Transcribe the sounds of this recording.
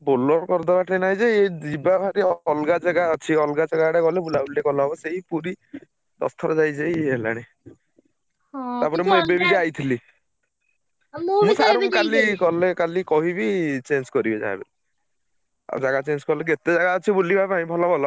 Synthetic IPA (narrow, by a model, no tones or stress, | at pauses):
bolɔɾkɔɾd̪ɔbaʈʰenaj̃d͡ʒeed͡ʒibabʱaɾiɔlɡad͡ʒaɡaɔt͡ʃʰiɔlɡad͡ʒaɡaɽekɔlebulaulakɔlɔɦɔbɔseɦipuɾi | d̪ɔ̰st̪ʰɔɾɔd͡ʒajd͡ʒejela̰ɽ̃e | t̪apɔɾemubebid͡ʒajt̪ʰili | mũsaɾukalikɔlekalikɔɦibit͡ʃenskɔɾibed͡ʒa̰ḛbeli | a̰d͡ʒaɡat͡ʃenskɔleket̪ed͡ʒaɡaɔt͡ʃʰibulːibʱapaĩbʱɔlɔbʱɔlɔ